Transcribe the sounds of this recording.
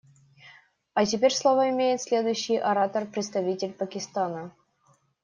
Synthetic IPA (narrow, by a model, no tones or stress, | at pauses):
ɐtʲɪpʲeɾʲslˠovəɪmʲejɪt̪sʲlʲe̞d̪ʊjɕːɪjʔɐɾat̪ərpɾʲɪt̪st̪ɐvʲitʲɪlʲpəkʲɪst̪anə